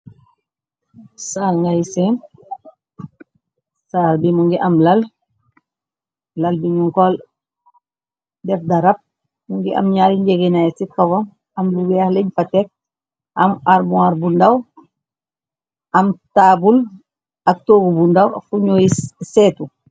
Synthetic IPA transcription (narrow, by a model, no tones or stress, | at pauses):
saːlŋɡajisen | saːlbimuŋɡiʔamlal | lalbiɲuŋkɔl | dɛfdaɾap̚ | muŋɡiʔa̰mɲaːɾiɲɟeɡenajsit̚kawɔm | amluɡɛhleɲfatɛk̚ | amaɾmuaɾbundaw | amtaːbul | ak̚toːɡubundawa̰fuɲoiseːtu